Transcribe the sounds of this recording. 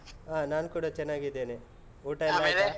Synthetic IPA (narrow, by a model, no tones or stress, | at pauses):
aːnaːnkuːɽat͡ʃɛnːaːɡid̪ːeːni | uːʈajaele